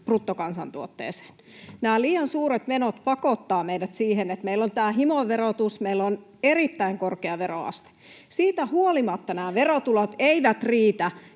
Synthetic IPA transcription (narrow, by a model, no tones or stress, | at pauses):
prut̪ːokɑnsɑ̰nt̪uot̪ːḛːse̥ːn | næːliːɑnsuːɾet̪menot̪pɑkot̪ːɑːmeijdæt̪siːhenet̪meilːont̪æːɦimoʋerot̪usmeilːon | erit̪ːæiŋkorkeɑʋero̰ɑ̰st̪e̥ | siːt̪æhuolimɑt̪ːɑnæːʋerot̪ulot̪eiʋæt̪riːt̪æ